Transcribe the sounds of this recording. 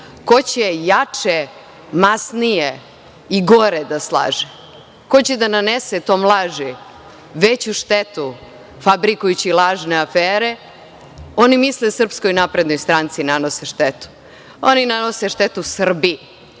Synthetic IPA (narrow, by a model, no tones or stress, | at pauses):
ko̞t͡ɕejat͡ʂe | masnije | iɡo̞ɾed̪aslˠa̰ːʒe | ko̞t͡ɕed̪ananeset̪o̞ːmlˠaːʒi | ʋet͡ɕuʃt̪et̪u | fabɾikujut͡ɕilˠaːʒneafeːɾe | o̞nimislesr̩pskojnapɾe̞d̪no̞jst̪ɾaːnt̪sinano̞seʃt̪et̪u̥ | oninano̞seʃt̪et̪usr̩bi